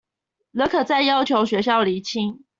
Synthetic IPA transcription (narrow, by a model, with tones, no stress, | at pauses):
lɤ˧˦˥kʰɤ˨˩t͡sa˥˨ɪjɑ˥ʊt͡ɕʰjo˧˥ʊɕɥɛ˧˥ɕjɑ˥˩ʊli˧˥t͡ɕʰi˥ŋ